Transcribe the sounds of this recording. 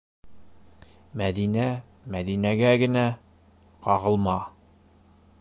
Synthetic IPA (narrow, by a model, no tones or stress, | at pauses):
mæðinæ | mæðinæɡæɡɘ̆næ | qɑʁɤ̆lˠmɑ